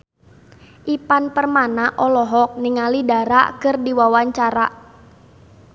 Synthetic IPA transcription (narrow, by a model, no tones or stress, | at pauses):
ʔipanpərmanaʔɔlɔɦɔk̚niŋalidaɾa̰kərdiwawaɲt͡ʃaɾaʔ